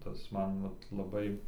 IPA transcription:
ˈtɐs ˈmɐn ˈʋɐt lˠɐˈbɐɪ

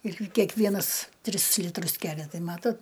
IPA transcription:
ɪr kʲɛkˈʋʲiɛnɐs ˈtʲrʲɪs ˈlʲɪtrʊs ˈkʲæːlʲɛ ˈtɐɪ ˈmɑːtoːt

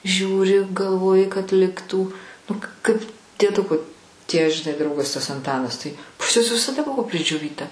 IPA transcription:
ˈʒʲuːrʲɪ ɡɐlˠˈʋoːjɪ kɐt ˈlʲɪktuː nʊ kɐɪp dʲiɛˈdʊkoː tʲiɛ ʒʲɪˈnɐɪ ˈdrɐʊɡɐs tɐs ɐnˈtɑːnɐs ˈtɐɪ pɐs ˈjuɔs ʋʲɪsɐˈdɐ ˈbʊʋoː pʲrʲɪd͡ʒʲoːˈʋʲiːtɐ

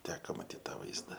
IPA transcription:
ˈtʲæːkɐ mɐˈtʲiːt tɐˈʋɐɪzdɐ

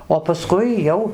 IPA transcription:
oː pɐˈskʊɪ ˈjɛʊ

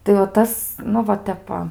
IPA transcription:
tɐɪ oː ˈtɐs ˈnʊ ʋɐ ˈtʲɛp ʋɐ

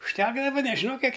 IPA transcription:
ʊʃʲˈtʲæːɡdɐʋɐ nʲɛʒʲɪˈnɐʊ ˈkʲiɛk

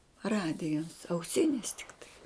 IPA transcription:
ˈrɑːdʲɪjɛs ɐʊˈsʲɪnʲɪs tʲɪkˈtɐɪ

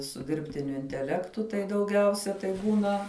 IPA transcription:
sʊ ˈdʲɪrʲpʲtʲɪnʲʊ ɪnʲtʲɛˈlʲæːktʊ tɐɪ dɐʊˈɡʲɛʊsʲɛ tɐɪ ˈbuːnɐ

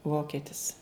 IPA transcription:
ˈʋoːkʲɛtʲɪs

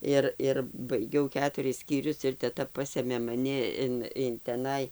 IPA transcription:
ˈɪr ɪr bɐɪˈɡʲɛʊ ˈkʲæːtʊrʲɪs sʲkʲiːˈrʲʊs ɪr tʲɛˈtɐ ˈpɑːsʲeːmʲeː mɐˈnʲɪ ɪn ɪn tʲɛˈnɐɪ

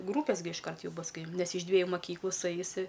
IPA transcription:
ˈɡruːpʲɛs ɡʲɪ ɪʃˈkɐrt ˈjuː ˈbʊs ˈkɐɪ ˈnʲɛs ɪʃ ˈdʲʋʲiɛjʊ mɐˈkʲiːklˠuː sʊˈɛɪs ɪ

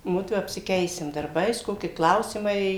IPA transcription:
ˈmʊdʋʊ ɐpʲsʲɪˈkʲɛɪsʲɪm dɐrˈbɐɪs ˈkoːkʲɪ ˈklˠɐʊsʲɪmɐɪ

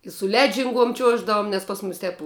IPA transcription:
ɪ sʊ ˈlʲæːd͡ʒʲɪŋˌɡuɔm ˈt͡ʃʲuɔʒdɐʋʊm nʲɛs pɐs ˈmʊs ˈtʲɛp

